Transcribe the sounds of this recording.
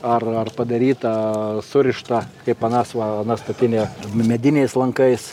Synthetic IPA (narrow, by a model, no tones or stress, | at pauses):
ɐrɐrpɐd̪ɐɾʲiːt̪ɐsʊɾʲɪʃt̪ɐkɐɪpɐnɑsʋɐɐnɐst̪ɐt̪ʲɪnʲɛmʲɛd̪ʲɪnʲɛɪslˠɐŋkɐɪs